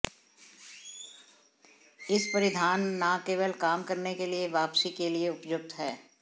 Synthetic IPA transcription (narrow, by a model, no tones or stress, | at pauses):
ɪspɐɾɪd̪ʱaːnːaːkeːʋəlkaːmkɐɾnekelieʋaːpsikelieʊpjʊk̚t̪ɦɛː